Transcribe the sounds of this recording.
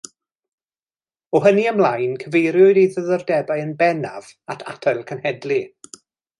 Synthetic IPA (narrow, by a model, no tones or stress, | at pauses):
ɔɦəniamlˠajnkʰəvejɾjʊɨdiðəðɔrdɛbaɨənbɛnav̥atʰa̰tʰajlˠkʰənhɛdlˠi